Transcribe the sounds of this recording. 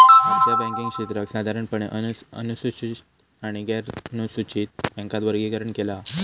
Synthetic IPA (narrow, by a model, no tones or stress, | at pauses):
mat͡ɕabɛ̃ŋkiŋɡɕit̪ɾəksad̪ʱaɾəɳpəɳeʔəə̰nusut͡ɕit̪ | aɽ̃iɡɛɾnusut͡ɕiːt̪̚bɛ̃ŋkat̪ʋəɾɡiːkəɾəɳkela